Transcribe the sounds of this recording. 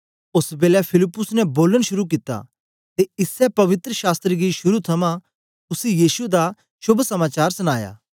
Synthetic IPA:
ʊsbeːlɛpʰɪlɪpːʊsnɛboːləɽ̃ʃʊɾuk̬ɪt̪a̰ | t̪eɪsɛpɐʋɪt̪ɾəʃaːst̪ɾiɡiʃʊɾut̪ʰɐmã | ʊsijiːsud̪a | ʃʊbʱsɐmaːt͡ʃaːɾsʊñaːja̰ː

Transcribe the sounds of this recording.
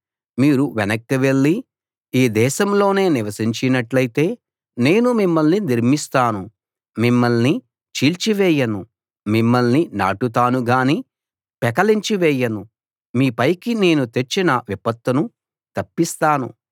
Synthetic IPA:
miːɾuʋɛnɐkːɐʋe̞ɭːi | iːd̪ɛːʃɐmlo̞ːne̞ːniʋɐsiɲt͡ʃinɐʈlɐjt̪e̞ː | ne̞ːnumimːɐlniniɾmist̪aːnu | mimːɐlni | t͡ʃiːlt͡ʃiʋɛːjɐnu | mimːɐlnina̰ːʈut̪̬aːnuɡaːni | pɛkɐliɲt͡ʃiʋɛːjɐnu | miːpɐjkine̞ːnut̪et͡ʃːinɐʋipɐt̪ːɐnu | t̪ɐpːist̪aːnṵ

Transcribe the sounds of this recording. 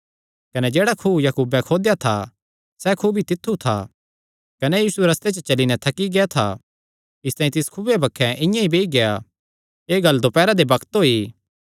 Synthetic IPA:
kɐnɛd͡ʒeːɽakʰujɐkuːbɛ̃kʰoːd̪jat̪ʰa̰ | sɛkʰubʱit̪ɪt̪ʰːut̪ʰa̰ | kɐnejiːsueɾɐst̪et͡ʃət͡ʃɐlinɛt̪ʰɐkːiɡeat̪ʰa̰ | ɪst̪aːĩt̪ɪskʰʊbebɐkʰːɛ̃ʔɪ̃jãibeːiɡea | eːɡɐlːd̪opɛːɾad̪ebɐkt̪ɦoːiː

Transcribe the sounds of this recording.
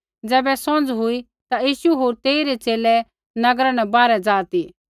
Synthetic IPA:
d͡zɛːbɛsɔ̃nd͡zɦʊi | t̪ajiːʃuɦoːɾt̪eːiɾet͡seːlɛ | nɐɡɾãnɛ̃baːɾɛd͡zaːt̪i

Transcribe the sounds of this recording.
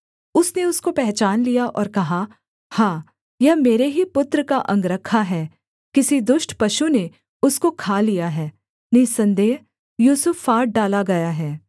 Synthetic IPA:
ʊsneʊskopɛɦt͡ʃaːnlijaʔɔːɾkɐɦa | hãː | jɐɦmeːɾeɦipʊt̪ɾəkaʔɐ̰̃ŋɡɾɐkʰːaɦɛː | kɪsid̪ʊʃʈpɐʃune | ʊskokʰaːlijaɦɛː | nɐisɐ̃nd̪eːɦ | juːsʊfːaːɾʈ̚ɖaːlaɡɐjaɦɛː

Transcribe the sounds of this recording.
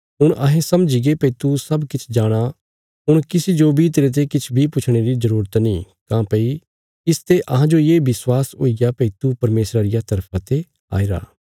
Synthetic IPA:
ɦʊɽ̃ʔɐɦẽsɐmd͡ʒiɡepɐit̪usɐbkɪt͡ʃʰd͡ʒaːɽ̃a | ɦʊɽ̃kɪsid͡ʒobʱit̪eːɾet̪̬ekɪt͡ʃʰbʱipʊt͡ʃʰɽ̃eɾizɐɾuːɾət̪nĩː | kãːpɐi | ɪst̪eʔɐɦãd͡ʒojeːbɪswaːsɦo̰ːiɡjapɛit̪upɐɾmeːsɾaɾɪjat̪ɐɾpʰãt̪e | a̰ːiɾa̰ː

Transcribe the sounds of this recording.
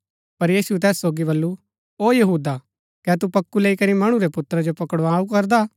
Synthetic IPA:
pɐɾjiːsuɛt̪ɛːsːoːɡibɐlːu | oːjɐɦuːd̪a | kɛːt̪upɐkːuleːikɐɾimɐɽ̃ũɾepʊt̪ɾad͡ʒopɐkəɽʋaːukɐɾd̪aː

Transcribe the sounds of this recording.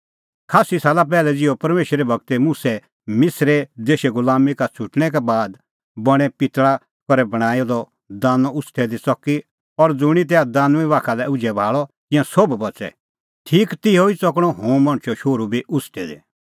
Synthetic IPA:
kʰaːsisaːlap̬ɛːlɛd͡zɪjɔpɐɾmeːʃɾebʱɐɡ̚t̪ɛmũsɛ | mɪsɾed̪eːʃɛɡʊlaːmikat͡sʰʊʈɽ̃ɛk̬ɛbaːd̪ | bɐɽ̃ɛpɪt̪ɭa | kɔɾɛbɐɽ̃aːjɔd̪ɔ | d̪aːnɔʊsʈ̪ʰɛd̪it͡sɔki | ɔɾd͡zʊɽ̃it̪̬ɛad̪ãːnũĩʋaːkʰalɛʊd͡ʒɛbʱaːɭɔt̪ɪ̃jãsobbɐt͡sɛ̰ | ʈʰiːkt̪ɪjoit͡sɔkɽ̃ɔ̃ɦõːmɐ̃ɽ̃t͡ʃʰɔʃoːɾubʱiʔʊsʈʰɛd̪ḛ

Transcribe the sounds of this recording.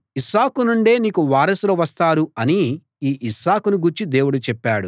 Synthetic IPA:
isaːkunuɳɖe̞ːniːkuʋaːɾɐsloːʋɐst̪aːɾuɐni | iːʔisaːkunuɡuɾt͡ʃid̪e̞ːwuɽut͡ʃɛpːaːɽu

